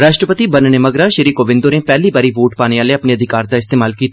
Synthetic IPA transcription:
ɾaːʃʈɾəpət̪ibɐnnemɐɡɾaʃɐɾiːkoːʋɪ̃nd̪oːnẽpɛːlibaːɾiʋoːʈpaːneʋaːleɐpneɐd̪ʱɪkaːɾd̪aɪst̪eːmaːlkiːt̪

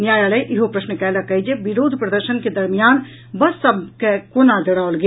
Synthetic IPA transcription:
njaːjaːləʔɪɦopɾɐʃnəkɛːlakɐɦid͡ʒeʋɪɾoːd̪ʱpɾɐd̪əɾʃənked̪ɐɾmijaːn | bɐsːɐb̚ʱkekoːnad̪ɪɽaːolɡe

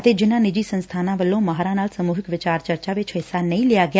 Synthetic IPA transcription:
t̪ed͡ʒɪnanɪd͡ʒisə̃nst̪ʰanãʋəlõməɦaɾanalsəmuɦɪkʋɪt͡ʃaɾt͡ʃəɾt͡ʃaʋet͡ʃʰəɦsanəĩlijaɡja

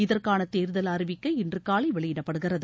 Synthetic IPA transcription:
ɪðɐrkaːnɐt̪eːɾðɐlɐɾɪʋɪkːɐɪɪndrɯkaːɭɐɪʋɛɭɪjɪɽɐpːɐɽɯɣɪrɐðɯ

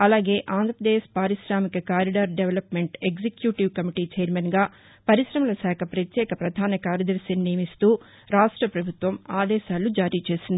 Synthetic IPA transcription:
ɐlaːɡe̞ːʔaːnd̪ɾɐpɾɐd̪eːʃpaːɾiʃɾaːmikɐkaːɾiɖaːɾɖeʋɐlɐpmeɳʈeɡsekjuːʈiʋkɐmiʈiːt͡ʃeːɐɾmɐnɡaː | pɐɾiʃɾɐmɐlɐsaːkʰɐpɾɐt̪jɛːkɐpɾɐd̪ʱaːnɐkaːɾjɐd̪ɐɾʃinnijɐmist̪uː | ɾaːʂʈɾɐpɾɐbʱut̪ʋɐmaːd̪ɛːʃaːlud͡ʒaːɾiːt͡ʃe̞ːsind̪ii

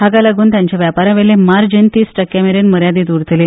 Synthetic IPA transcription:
ɦaɡalaɡuːnt̪jãɲt͡ɕjaʋjapaɾãʋelemaɾd͡ʑent̪iːsʈəkːjameɾenməɾjad̪iːt̪uɽt̪le

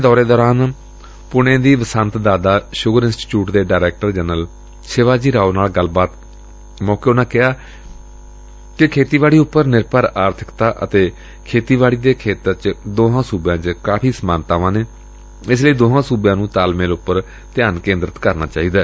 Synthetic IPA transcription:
d̪ɔːɾeːd̪ɔːɾaːn | pʊɽ̃ẽːd̪iːʋəsənt̪d̪aːd̪aːʃʊɡəɾɪnsʈi̥t͡ʃjuːʈd̪eːɖaːɾɛːk̚ʈəɾd͡ʒɛːnəl | sɪʋaːd͡ʒiːɾaːonaːlɡəlbaːt̪ | mɔːkeːʊnãːkɪɦaː | kɪkʰeːt̪iːʋaːɽiːʊpːəɾnɪɾpəɾaːɾt̪ʰɪ̥kt̪aːʔə̰t̪eː | kʰeːt̪iːʋaːɽiːd̪eːkʰeːt̪əɾt͡ʃd̪oːɦãːsuːbjãːt͡ʃkaːpʰiːsəmaːnt̪aːʋãːneː | ɪs̬ləiːd̪oːɦãːsuːbjãːnũːt̪aːlmẽːlʊpːəɾ | t̪ɪjaːnkẽːnd̪ɾət̪kəɾna̰ːt͡ʃaːiːd̪aː

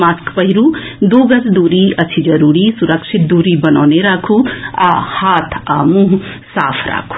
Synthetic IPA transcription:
maːskpɐɦiɾud̪oːɡɐsd̪uːɾiɐt͡ʃʰid͡ʒɐɾuːɾisuɾɐkʃit̪̚d̪uːɾibɐna̰ːneɾaːkʰua̰haːt̪ʰa̰ːmũɦ | sa̰ːpʰɾa̰ːkʰu̥

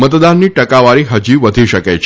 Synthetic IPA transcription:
mət̪d̪anːiʈəkaʋaɾiɦəd͡ʒiʋəd̪ʱiʃəket͡ʃʰ

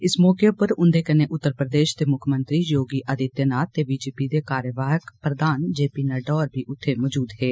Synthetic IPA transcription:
ɪsmɔːkepəɾʊnd̪eːkəneːʔʊt̪ːəɾpɾəd̪eːʃt̪eːmʊkʰmənt̪ɾiːjoːɡiːʔəd̪ɪt̪jənaːt̪ːeːʋiːd͡ʒeːpiːd̪eːkaːɾjəʋaːɦəkpɾəd̪aːnd͡ʒeːpiːnəɖɔːɾbʱiːʔʊt̪ʰːeːmɔːd͡ʒuːd̪ɦeː

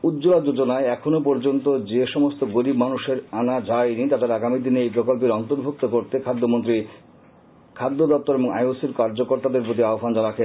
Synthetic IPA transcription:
ud̪d͡ʑolad͡ʑod͡ʑonaeɛkʰonop̬ɔɾd͡ʑont̪od͡ʑeʃɔmost̪oɡoɾibmanuʃeɾanad͡ʑajnit̪ad̪eɾaɡamid̪ineejpɾokolp̬eɾɔnt̪oɾbʱuk̚t̪okoɾt̪ekʰad̪ːomont̪ɾi | kʰad̪ːod̪ɔp̚t̪oɾeboŋa̰josiɾkaɾd͡ʑokoɾt̪ad̪eɾpɾot̪̬iaofand͡ʑanakʰe

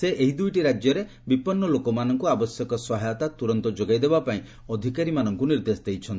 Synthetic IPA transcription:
seʔeɦid̪ujʈiɾad͡ʒjɔɾe | bipɔnːɔlokɔmanɔŋkuabɔsjɔkɔsɔɦajɔt̪at̪uɾɔnt̪ɔd͡ʒoɡajd̪ebapaĩ | ɔd̪ʱikaɾimanɔŋkuniɾd̪esd̪ejt͡ʃʰɔnt̪

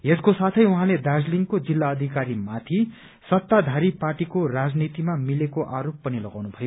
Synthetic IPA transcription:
eskosat̪ʰʌjuɦãled̪ad͡zliŋkod͡zilːaʌd̪ʱikaɾimat̪ʰi | sʌt̪ːad̪ʱaɾiparʈikorad͡znit̪imamilekoʔaɾopːʌnilʌɡawnubʱʌjo

